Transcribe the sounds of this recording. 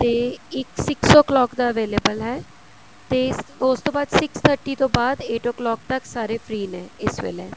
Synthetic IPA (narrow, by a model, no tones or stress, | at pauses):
t̪eːɪksɪksɔːklɔːkd̪aːəʋeːleːbəlɦɛː | t̪eːʊst̪õːbaːd̪sɪkst̪ʰəɾʈiːt̪õːbaːd̪eːʈɔːklɔːk̚t̪əksaːɾeːpʰɾiːnɛ̃ːɪsʋḛleː